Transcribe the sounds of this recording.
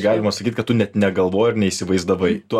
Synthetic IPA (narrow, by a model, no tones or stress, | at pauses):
ɡɑːlʲɪmɐsɐkʲit̪̚ʲkɐt̪tʊnʲɛt̪nʲɛɡɐlˠʋoːjɪɾrnʲɛiːsʲɪʋɐɪzd̪ɐʋɐɪt̪ʊ